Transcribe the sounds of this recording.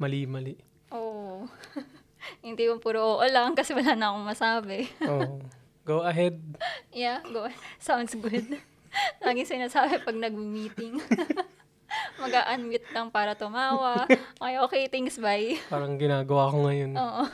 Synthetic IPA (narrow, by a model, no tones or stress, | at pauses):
mɐliːmɐliʔ | ʔoːʔ | hɪnd̪iːkoŋpʊɾoʔoːʔolɐŋkɐsɛwɐlaːnɐɐko̞ŋmɐsaːbɛo | ɡowɐɦɛd̪̚jaɡosawnd̪sɡʊd̪̚ | laːɡɪŋsɪnaːsaːbɛpɐɡ̚nɐɡ̚mɪmiːt̪ɪŋ | mɐɡaːʔɐnwɪt̪̚lɐŋpaːɾɐt̪ʊmaːwɐʔmɐjʔoːkejt̪ɪŋksbajpaːɾɐŋɡɪnaːɡɐwaːkoŋɐjonoːʔo